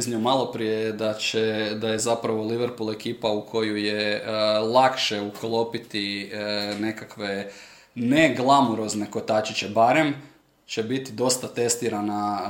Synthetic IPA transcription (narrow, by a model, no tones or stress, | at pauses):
znɲiomalˠo̞pɾijed̪at͡ʃed̪ajezapɾaʋo̞liʋeɾpule̞kiːpaukʰo̞jujelˠakʃe̞uklˠo̞pit̪i | ne̞kakʋe̞ | ne̞ɡlˠamoɾo̞zneko̞t̪at͡ʃit͡ɕe̞baɾe̞m | t͡ʃe̞bit̪id̪o̞st̪at̪e̞st̪iɾana